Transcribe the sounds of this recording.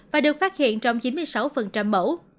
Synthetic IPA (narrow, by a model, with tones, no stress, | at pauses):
vaː˨˩ɗɨ˨˩ək̚faː˦˥t̚hḭ˧˨ənt͡ɕɔ˧wŋ͡mt͡ɕi˨˦nmɨ˧əjsa˨˦wfə˨˩nt͡ɕa˧mɓo̰˧˥